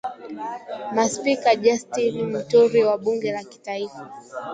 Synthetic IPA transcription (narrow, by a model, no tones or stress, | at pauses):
maspikaʄastinim̩tuɾiwaɓuŋɡɛlaki̥taifa